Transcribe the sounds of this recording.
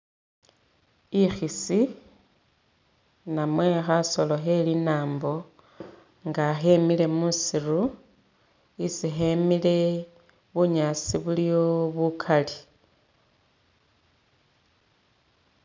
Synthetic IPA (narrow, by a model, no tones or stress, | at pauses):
ixisi | namwe̞xaso̞lo̞xe̞linaːmbo̞ | ŋɡaxe̞mile̞musiru | isixemile̞ | βuɲasiβulioβukʰali